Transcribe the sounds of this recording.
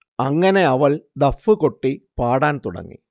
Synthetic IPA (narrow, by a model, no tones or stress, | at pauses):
ɐŋːɐne̞ɐʋɐld̪ɐfːɨkoʈːipaːɽaːnt̪uɽɐ̰ŋːḭ